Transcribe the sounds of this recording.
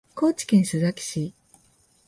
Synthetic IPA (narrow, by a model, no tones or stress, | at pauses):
ko̞ːt͡ɕi̥kẽɰ̃ɕɨzakʲi̥ɕi